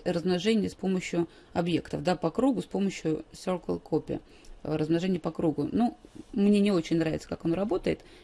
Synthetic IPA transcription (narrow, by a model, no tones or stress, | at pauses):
rəzmnɐʐɛnʲɪjəspo̞məɕjʊ | ɐbje̞kt̪əfd̪apɐkɾuɡʊspo̞məɕjʊsʲorkəlˠkʰopʲɪ̰ | ɾəzmnɐʐɛnʲɪjəpɐkɾuɡʊnumnʲe̞nʲɪo̞t͡ɕɪnʲnɾavʲɪt̪sə̥kakɐnoɾɐbo̞t̪əɪt̪